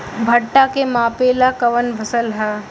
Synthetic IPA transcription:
bʱɐʈːakemãːpeːlakɐʋənbʱɐsəlɦɛː

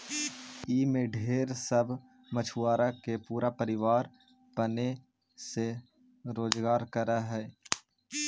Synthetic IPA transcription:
iːmẽɖʱeːɾsəbʱ | mət͡ʃʰuaːɾakepuːɾapəɾɪʋaːɾ | pɐne | se | ɾoːzɡaːɾkəɾaɦɛː

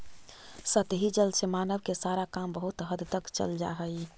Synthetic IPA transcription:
sət̪ɦid͡ʒəlsemanəʋkesaɾakambəɦut̪ɦəd̪t̪əkt͡ʃə̰ld͡ʒa̰ɦəj

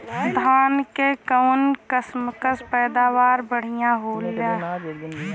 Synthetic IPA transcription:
d̪ʱaːnkekəwnkəsməkəspɛːd̪aːʋaːɾbəɽ̤ijãɦoːla

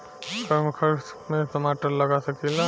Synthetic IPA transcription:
səɾmkʰəɾmesəmaʈəɾləɡasəkila

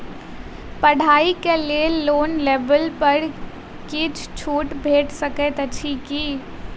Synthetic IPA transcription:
pəɽ̤ʱaːikeleloːnleːʋəlpəɾ | kit͡ʃʰt͡ʃʰuːʈbʱeːʈsəkɛt̪ət͡ʃʰiki

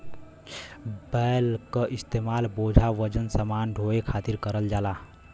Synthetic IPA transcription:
bəlkəʔist̪emalbod͡ʒʱaʋəd͡ʒənsəmanɖʱoekʰat̪iɾkəɾəld͡ʒala

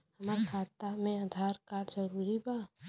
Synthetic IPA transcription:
həmaɾkʰaːt̪amẽad̪ʱaɾkaːɽd͡ʒəɾuɾiba

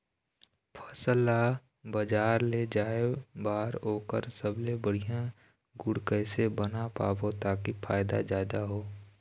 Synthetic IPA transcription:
pʰəsla | bəd͡ʒaːɾled͡ʒaːebaːɾoːkə̰ɾsəblebəɽ̤ijã | ɡʊɽkəsebənapa̰ːbot̪aːkifʰa̰ːɪd̪a̰zaːd̪aɦoː

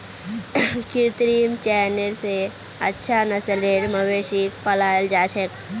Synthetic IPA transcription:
kɪɾt̪ɾimt͡ʃɛːnelse | ətːʃʰanəsəleːɽməʋeːʃikpəlaːjəld͡ʒaːt͡ʃʰek

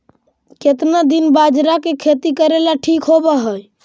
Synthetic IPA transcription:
ket̪nad̪inbad͡ʒɾakekʰet̪ikəɾelaʈʰikɦobɛɦəj

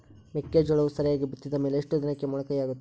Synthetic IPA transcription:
mekːeːd͡ʒɐɭɐʋusɐɾjaːɡebit̪ːid̪ɐme̞ːleːʂʈud̪inɐkːemuːɭɐkɐjaːɡut̪ːe

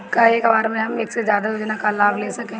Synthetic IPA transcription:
kaeːkbaːɾmẽɦɐmeːksezjaːd̪ajoːd͡ʒnakalaːbleːsɐkẽː

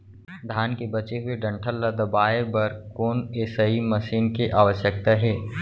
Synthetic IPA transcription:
d̪ʱaːnkebɐt͡ʃeɦʊeɖɐ̃ɳʈʰəlːad̪ɐbaːebɐɾkoːneːsaimɐʃiːnkeʔaːʋəʃjək̚t̪aɦɛː

